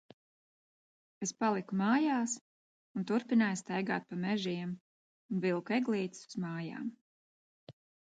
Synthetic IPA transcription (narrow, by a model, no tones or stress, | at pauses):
espalˠikumaːjaːs | unt̪uɾpinaːjst̪ajɡa̰ːt̪̚pamɛʒiɛm | unvilˠkɛɡlˠiːt̪i̥su̥zmaːja̰ːm